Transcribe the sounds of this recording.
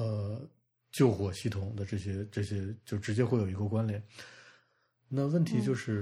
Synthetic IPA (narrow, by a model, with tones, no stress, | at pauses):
ə˧ | t͡ɕjo˥˩ʊxwɔ˨˩ɕi˥˩t̪ʰʊ˨˩ŋd̪ə˦ʈ͡ʂɤ˥˩ɕjɛ˥ʈ͡ʂɤ˥˩ɕjɛ˥t͡ɕjo˥˩ʊʈ͡ʂɻ̩˧˥t͡ɕjɛ˥xwe˥˩ɪjo˨˩˧kwə˥˩kwa˥nljɛ˨˩˦n | na˥˧wə˥˩nt̪ʰi˧˥t͡ɕjo˥˧ʊʂɻ̩˥˩